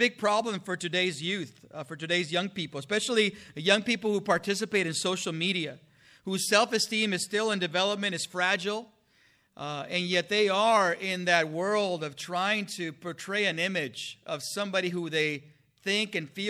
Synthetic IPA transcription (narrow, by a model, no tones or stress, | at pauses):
ɪɡ̚pʰɹ̥ɑblə̃ɱfə˞tɨdeɪzjʉθfə˞tɨdeɪzjʌ̃ŋpipl̩ˠəspɛʃl̩ˠijʌ̃ŋpipl̩ˠhupʰɑɹtʰɪs̬ɨpeɪɾɨ̃nsoʊʃl̩ˠmiɾiɨ | huz̥sɛlˠfɨstĩmɨz̥stɪlˠə̃ndɨvɛlˠəp̚mɨ̃ɾ̃ɨz̥fɹæd͡ʒl̩ˠ | ɨ̃njɛt̪̚ðeɪə˞ɪ̃nðɨt̚wɜ˞lˠdʌv̥tʰɹ̥aɪɪ̃ŋtʰɨpʰɔ˞tʰɹ̥eɪɨ̃nɪ̃mɪd͡ʒʔʌv̥sʌ̃mbɑɾiɦuðeɪ | θɪ̃ŋkɨ̃nfi